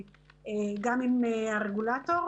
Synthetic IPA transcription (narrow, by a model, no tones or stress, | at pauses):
eɡaminareɣulat̪oɾ